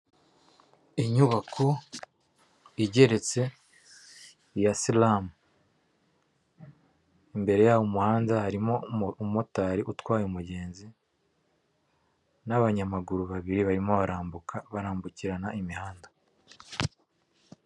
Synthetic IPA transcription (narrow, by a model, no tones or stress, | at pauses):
iɲuβakʰo | iɟe̞ɾe̞t͡se̞ | jasilamu | imbe̞ɾe̞jaːwomuhaːndahaɾimo̞umo̞taːɾiʔutwaːjumuɟe̞ːnzi | naβaɲamaɡuɾuβaβiɾiβaɾimo̞βaɾʔaːmbukʰaβaɾaːmbuciɾanaʔimihaːnda